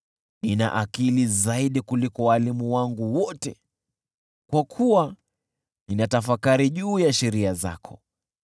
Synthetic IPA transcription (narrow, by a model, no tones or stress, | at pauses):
nina̰ʔakilizaiɗikulikɔwalimuwaŋɡuwɔtɛ | kwakʰuwa | ninatafakaɾiʄuːjaʃɛɾiaza̰kʰɔ̥